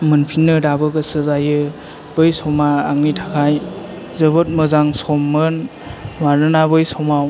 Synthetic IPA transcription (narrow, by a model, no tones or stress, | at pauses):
mɯnpʰinːɯɾabɯɡɯsɯzajɯ | b̥ɯjsɔmaːŋnitʰakʰaj | zɯbɯt̚mɯzaŋsɔmːɯn | maɾɯnabɯjsɔmaw